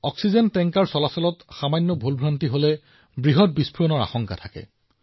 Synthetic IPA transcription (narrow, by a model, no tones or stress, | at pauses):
ɔksizɛntɛŋkaɹsɔlasɔlɔtxamajnːɔbʱulbʱɹantiɦolɛ | bɹiɦɔt̚bispʰuɹɔnɔɹa̰xɔŋka̰tʰakɛ̰